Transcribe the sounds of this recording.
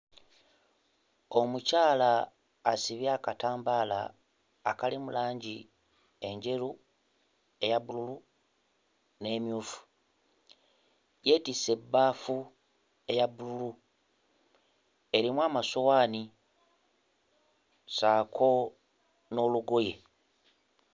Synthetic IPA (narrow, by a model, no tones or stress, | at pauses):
omucaːlaː | siβjaːkataːmbaːla̰ː | kalimulaːɲɟi | e̞ɲɟe̞ɾu | e̞jaβululu | ne̞ːmjuːfu̥ | je̞tise̞bːaːfu | e̞jaβululu | e̞ɾimwaːmaso̞waːni | saːkʰo̞ | no̞ːluɡo̞je̞